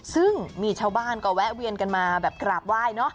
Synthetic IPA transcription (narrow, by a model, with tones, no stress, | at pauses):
sɯ˥˩ŋmiː˧t͡ɕʰaː˥˩wbaː˥˩nkɔ˧˩wɛ˦˥ʔwi˧ənka˧nmaː˧bɛː˨˩p̚kɾaː˨˩p̚waː˥˩jnɔ˦˥ʔ